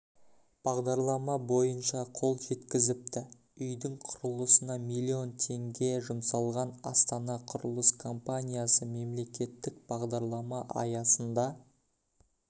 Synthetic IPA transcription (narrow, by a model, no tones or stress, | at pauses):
b̥ɑʁd̪ɑɾlˠɑmɑbo̞jənʃɑqʰo̞lˠʒe̞t̪kʲɪzɪp̚t̪ɪ | ʏjd̪ɪŋqʰʊɾəlˠəsənɑmijlʲˠːio̞nt̪ʰe̞ŋɡʲe̞ʒʊmsɑlˠʁɑnɑ̰st̪ɑnɑqʰʊɾəlˠəskʰo̞mpanʲijasəme̞mle̞kʲe̞t̪ːɪk̚b̥ɑʁd̪ɑɾlˠɑmɑʔɑ̰jɑsənd̪ɑ